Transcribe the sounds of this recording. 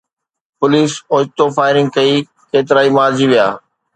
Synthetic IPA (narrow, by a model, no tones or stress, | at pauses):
pʊliːsʊːd͡ʒt̪ofaːɪɾɪ̃ŋɡ̚kɐi | keːt̪̬ɪɾaːimaːɾd͡ʑiʋijaː